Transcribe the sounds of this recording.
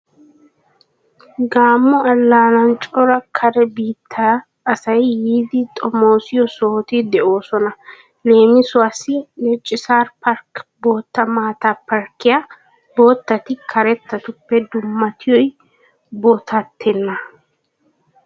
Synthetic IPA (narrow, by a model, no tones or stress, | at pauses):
ɡaːmːɔɐlːaːnɐnt͡ʃʼɔɾɐkʰɐɾɛbiːt̪ʰːaː | sɐjjiːd̪ɪt̪ʼɔmo̞ːsɪjɔsoːt̪ɪd̪ɛʔo̞ːsɔnɐ | le̞ːmɪsʊɐsɪnɛt͡ʃʼːɪsaːɾpɐɾkbo̞ːt̪ːɐmaːt̪apɐɾkːɪja | bo̞ːt̪ːɐt̪ɪkʰɐɾɛt̪ːɐt̪ʊpːɛd̪ʊmːɐt̪ʰɪjɔj | bɔt̪ʰɐt̪ːɛnːɐ